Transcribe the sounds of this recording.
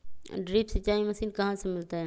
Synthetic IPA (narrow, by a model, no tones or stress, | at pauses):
ɖɾiːpsɐt͡ʃːaːimɐsiːnkɐɦãsemɪlt̪aɦɛ